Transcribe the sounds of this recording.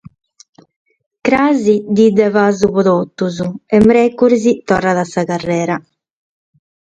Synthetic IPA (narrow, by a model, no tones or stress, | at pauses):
kɾaːzid̪id̪ːɛvaːzupɔðot̪ːuzuɛmɾɛkːuɾzit̪ɔrːaðasakarːɛːɾa